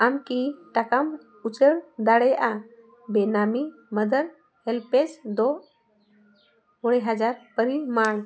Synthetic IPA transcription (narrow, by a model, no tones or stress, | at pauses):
amkiʈakam | ut͡ʃəɽd̪aɽɛjʔa | bɛnamiməd̪əɾ | hɛlpɛsd̪ɔ | ɔɽɛɦad͡ʒaɾpəɾimaɳ